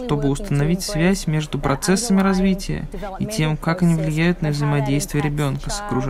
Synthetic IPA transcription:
ʂt̪o̞bɨʊst̪ənɐvʲitʲsvʲæsʲmʲe̞ʐd̪ʊpɾɐt̪sɛsːəmʲɪɾɐzvʲitʲɪjə̰itʲe̞mkakɐnʲivlʲɪjæjʊt̪nəvzəɪmɐdʲejst̪vʲɪjəɾʲɪbʲo̞nkəsə̥kɾʊʐ

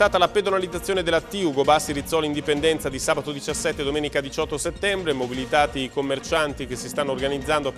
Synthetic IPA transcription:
t̪aːt̪alaped̪onalid̪zat̪sːjoːned̪elat̪iuɡobasːiɾit̪sːɔlind̪ipend̪ɛnt̪sad̪isaːbat̪od̪it͡ʃasːɛt̪ːed̪omeːnikad̪it͡ʃɔt̪ːoset̪ːɛmbɾemobilit̪aːt̪ikomːert͡ʃant̪ikesːist̪anːoːrɡanid̪zːand̪o

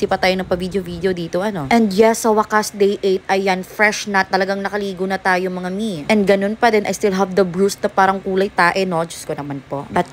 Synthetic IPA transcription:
sipɐt̪aːjonɐŋpɐvid̪eovid̪eod̪iːt̪oʔɐno̞ʔɛ̃nd̪jɛsːɐwɐkasd̪ejʔejt̪̚ʔɐjːɐnfɾɛʃnɐt̪ːɐlɐɡaŋnɐkɐliːɡonɐt̪aːjomɐŋamiʔɛ̃nd̪̚ɡɐnonpɐd̪ɛnʔɐ̰jst̪ilɦɐvd̪ɐbɹusnɐpaːɾɐŋkuːlɐjt̪aːʔɛno̞d͡ʒʊskonɐmanpo̞ʔbɐt̪̚

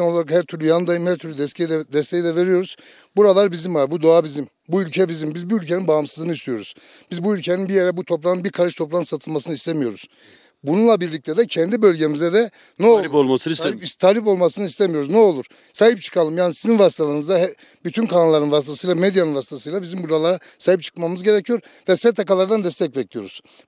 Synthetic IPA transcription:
no̞lˠaɾakhæɾt̪ʰyɾlʲyjanɯnd̪ajɯmhæɾt̪ʰyɾlʲyd̪ɛsʰejd̪ɛd̪ɛst̪ʰejid̪ɛve̞ɾijo̞ɾuz̥ | buɾalˠaɾbizimvaɾbud̪oabizim | buylʲcʰɛbizimbizbuylʲcʰeninbaːmsɯzɯnɯist̪ʰijo̞ɾuz̥b̥izbuylʲcʰeninbijeɾɛbut̪ʰo̞pɾanɯnbiɾkʰaɾɯʃt̪ʰo̞pɾˠanɯnsat̪ʰɯlˠmasɯnɯist̪ʰemijo̞ɾuz̥ | bununlˠabiɾlʲic̚t̪ʰɛd̪ɛcʰɛnd̪ibø̞lʲɟemizd̪ɛd̪ɛ | nɛollˠlˠmst̪ʰaːlʲip̬o̞lˠmasɯnɯist̪ʰemijo̞ɾuznɛolˠuɾ̥ | saːhip̚t͡ʃʰɯ̥kʰalˠɯmjaːnisizinvasit̪ʰalˠaɾɯnɯzd̪aɦɛ | byt̪ʰynkʰanalˠaɾɯnvast̪ʰasɯjlˠamed̪janɯnvasit̪ʰasɯjlˠabizimbuɾalˠaɾasaːhip̚t͡ʃʰɯ̥kmamɯzɟe̞ɾecʰijo̞ɾvɛsɛt̪ʰakalˠaɾd̪and̪ɛst̪ʰɛc̚bɛclʲijo̞ɾuz̥

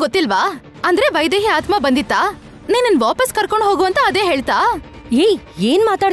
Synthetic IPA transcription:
ɡot̪ːilʋaː | ɐnd̪ɾeʋɐjd̪eːɦeaːt̪ʰmabɐnd̪it̪ːaː | niːnɐnʋaːpɐskɐɾkoɳɦoːɡuɐnt̪ɐːd̪eːɦeːɭt̪aː | ej | eːnmaːt̪aːɽ

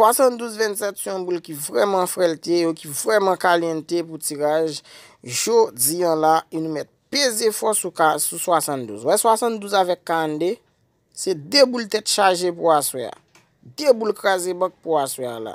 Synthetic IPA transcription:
swasɑ̃nd̪uzvɛ̃nsɛt̪syɔ̃bulkivʁɛmãfʁɛlt̪ejokivɣɛmãkaljɛ̃t̪eput͡siɣaʒ | ʒod͡ziə̃laenũmɛt̪̚pezefɔsukasuswasɑ̃nd̪ṵzwɛswasɑ̃td̪uzavɛkːaɣɑ̃nd̪e | sed̪ebult̪ɛt̪ʃaʒepuaswɛ̰a̰ | d̪ebulkɹazebãk̚puaswɛala̰

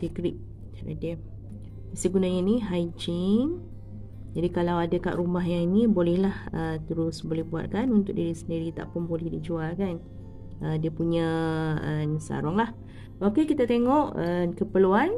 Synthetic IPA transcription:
tikɾiʔ̚ | a̰di | isəɡunaɲiniɦajd͡ʒiŋ | d͡ʒadikalawadaka̰ʔɾumaɦjaŋinibolɛhlahət̪əɾʊsbolɛhbua̰t̪̚kanunt̪ʊk̚diɾisəndiɾit̪a̰ʔpʊnbolɛhdid͡ʒualkan | ʔədiəpuɲə̃ənsa̰ɾɔŋlah | akekit̪at̪eŋɔʔəkəpəluan

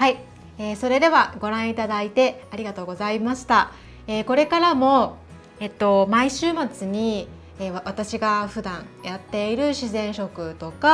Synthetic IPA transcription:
hai | eːso̞ɾe̞d̪e̞βaɡo̞ɾãɰ̃it̪ad̪ait̪e̞aɾʲiɡat̪o̞ːɡo̞zaimaɕi̥t̪a | eːko̞ɾe̞kaɾamo̞ | et̪ːo̞maiɕɨːmat͡sɨɲ̟i | eβat̪aɕiɡaɸɯ̟d̪ãŋ̃ | jat̪ːe̞iɾɯ̟ɕizẽ̞ɰ̃ɕo̞kɯ̟t̪o̞ka

